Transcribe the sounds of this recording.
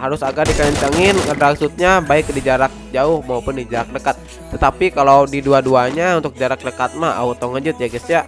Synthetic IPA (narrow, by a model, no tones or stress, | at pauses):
haɾʊsaɡadikaəɲt̪aŋɪnədlaksut̪̚ɲabaɪk̚did͡ʒaɾak̚d͡ʒaʊhmaupʊndid͡ʒaɾak̚dəkat̪̚ː | ət̪apikaladiduaduaɲaunt̪ʊk̚d͡ʒaɾak̚dəkat̪̚maha̰ut̪ɔŋəd͡ʒʊt̪̚jaɡisja